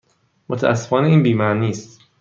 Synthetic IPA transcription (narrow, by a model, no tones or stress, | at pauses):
mot̪ʰæʔæ̰sːe̞fɒːneiːnbiːmæniːst̪